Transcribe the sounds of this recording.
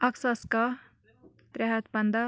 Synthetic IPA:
ɐksɐskɐ | t̪ɾɛɦɐt̪bɐnd̪ɐ

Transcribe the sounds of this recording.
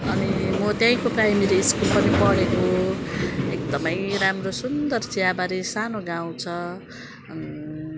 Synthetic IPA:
ʌnimʌt̪jãj̃koprajmiɾiːskulpʌnipʌɽeko | ek̚d̪ʌmʌjramrosund̪ʌrt͡siabaɾesanoɡaw̃t͡sʰʌ

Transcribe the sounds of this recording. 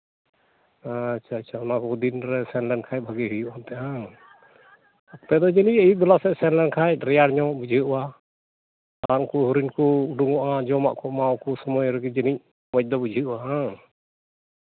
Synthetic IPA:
aat͡ʃʰaːt͡ʃʰaɔnakɔd̪inɾɛsɛnlɛnkʰaj̚bʱaɡɛɦujuʔant̪ɛʔa | p̪ɛd̪ɔd͡ʒɛnicəjib̪ɔlasɛʔsɛnlɛnkʰaj̚ɾɛjaɽɲɔʔbud͡ʒʱiəʔwa | aɾaŋkuɦuɾinkɔuɖuŋɔʔad͡ʒɔma̰ʔkɔmawkɔsɔmɔjɾɛɡɛd͡ʒɛnic̚ | mɔc̚d̪ɔbud͡ʒʱiəʔaɦa

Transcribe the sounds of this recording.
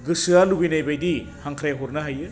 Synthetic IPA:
ɡɯsɯalubijnajbajdi | haŋkʰɾajaɦɔɾnɐɦajɯ

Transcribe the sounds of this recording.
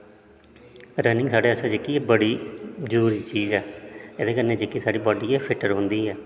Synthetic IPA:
ɾəːnɪ̃ŋɡsaːɖeːəsãːd͡ʒekːiːebəɽiːzəɾuːɾiːt͡ʃiːzɛːɪd̪eːkəɾneːd͡ʒekːiːsaːɖiːbɔːɖiːeːpʰɪʈəɾɦʊ̃nd̪iːɛː

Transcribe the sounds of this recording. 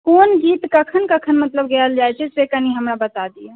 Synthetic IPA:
konɡit̪kəkʰənkəkʰənmət̪ləbɡeld͡ʒajt͡ʃʰɛsekəniɦəmɾabət̪ad̪ie

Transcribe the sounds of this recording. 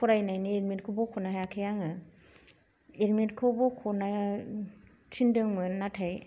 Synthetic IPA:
kʰɔɾajnajnieɾmentkʰobɔkʰɔnajakʰajaŋɯ | eɾmetkʰɯbɔkʰɔna | tʰindɯŋmɯnatʰaj

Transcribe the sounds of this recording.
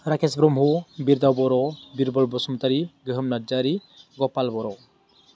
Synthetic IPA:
ɾakesbɾɔmɦubiɾd̪awbɔɾɔbiɾbɔlbɔsɔmt̪aɾiɡəɦəmnaɾd͡ʒaɾi | ɡɔpalbɔɾɔ

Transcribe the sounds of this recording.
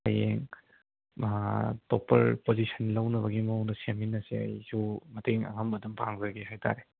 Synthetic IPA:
ɐjeŋ | topɐ̰ɾpozisɐnlɐwnɐβɐɡimownɐseminːɐseɐ̰jsumɐteŋɐ̰ŋɐmbɐdumpaŋzɐɾɡeɦajtʰa̰ɾe

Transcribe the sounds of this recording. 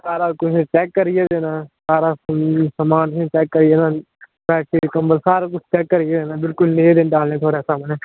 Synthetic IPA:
saːɾakʊt͡ʃʰt͡ʃɛːkːəɾijed̪eːnaːsaːɾaːsəmaːnsʰẽt͡ʃɛːkːəɾieːnãː | bɛːʈ̚seːɾɪkəmbəlsaːɾak̬ʊt͡ʃʰt͡ʃɛːkːəɾijed̪eːnaːbɪlkʊlnẽːd̪eːnɖaːlnẽːt̪ʰoːɽesaːmnɛ̃ː

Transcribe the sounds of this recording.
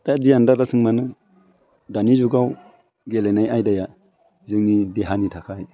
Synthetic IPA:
tadijandaɾasʰɯŋmanɯ | danizuɡaw | ɡelanajajdaja | zɯŋnideɦanitʰakʰaj

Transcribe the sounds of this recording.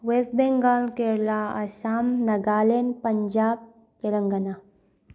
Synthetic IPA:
wesbeŋɡaːlkeɾlaɐ̰ɕaːmnɐɡaːlenpɐɲd͡ʒaːb̚ | t̪elɐŋɡɐna

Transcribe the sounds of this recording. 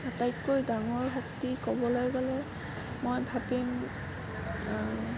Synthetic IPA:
tajkːojdaŋɔɹɦɔktikɔbɔlojɡɔlɛ | mojbʱabim

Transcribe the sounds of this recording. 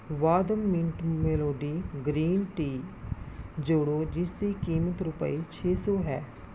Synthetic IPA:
ʋaːd̪əmːɪ̃ɳʈmeːloːɖiːɡɾiːnʈiː | d͡ʒoɽoːd͡ʒɪsd̪iːkiːmət̪ɾʊpə̰iːt͡ʃʰeːsoːɦɛː

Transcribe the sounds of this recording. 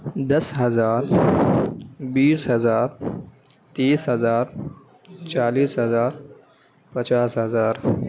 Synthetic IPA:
d̪ɐsɦɐzaːɾ | biːsɦɐzaːɾ | t̪iːsɦɐzaːɾ | t͡ɕaːliːsɦɐzaːɾ | pɐt͡ɕaːsɦɐzaːɾ

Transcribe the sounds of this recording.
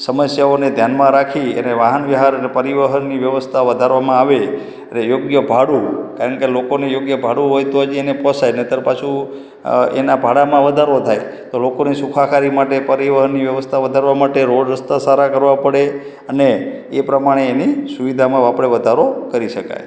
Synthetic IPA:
səməsjaoned̪ʱjanmãɾakʰiḛneʋaɦənʋjəɦaɾənepəɾiʋəɦənːiʋjəʋəst̪ʰaʋəd̪ʱaɾʋamãaʋe | ənejoɡjəbʱaɽukaɾəɳkelokonejoɡjəbʱaɽuɦojt̪oəd͡ʒienepɔsajnet̪əɾpat͡ʃʰu | enabʱaɽamãʋəd̪ʱaɾot̪ʰaj | t̪olokonesukʰakaɾimaʈepəɾiʋəɦənːiʋjəʋəst̪ʰaʋəd̪ʱaɾʋamaʈeɾoɖɾəst̪ʰasaɾakəɾʋapəɽe | əneː | pɾəmaɽ̃eːnisuʋid̪ʱamãʋapɽeʋəd̪ʱaɾokəɾiʃəka̰j

